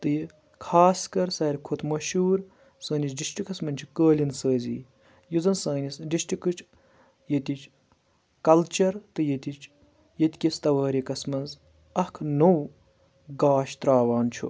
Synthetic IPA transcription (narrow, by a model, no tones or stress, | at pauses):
t̪ɨji | kʰaːskɐɾsɐːɾʲkʰot̪ʰmɐʃuːɾ | səːnʲit͡ʃdiʃʈikɐsmɐnʲt͡ʃʰu̥kəːlʲinsəːzḭ | jizɐnsɐːnʲisɖiʃʈikɨt͡ʃʰ | jɐt̪ʲit͡ʃʰ | kɐlt͡ʃɐɾt̪ɨjet̪it͡ʃʰ | jet̪ʲkʲist̪ɐʋaːɾʲikɐsmɐnz | ɐkʰnow | ɡaːʃt̪ɾaːʋaːnt͡ʃʰṵ